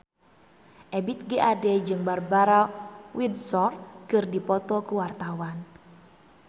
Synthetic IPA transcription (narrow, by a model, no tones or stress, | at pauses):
ʔɛbit̪̚ɡeʔadɛd͡ʒɨŋbarbaɾawidsɔrkɨrdipɔt̪ɔkuwart̪awan